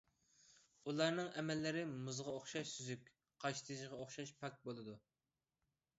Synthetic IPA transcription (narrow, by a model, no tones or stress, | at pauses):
ulˠɑɾnɨŋɛmɛlːɪɾɪmuzʁɑoχʃɑʃsyzykʲ | qʰɑʃt̪ʰɨʒʁɑoχʃɑʃpʰɛk̚ʲbolˠɨd̪u